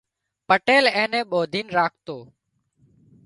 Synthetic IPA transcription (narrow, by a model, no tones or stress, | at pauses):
pəʈeːlẽːnẽːɓoːd̪ʱiːnɾaːk̚ʰt̪oː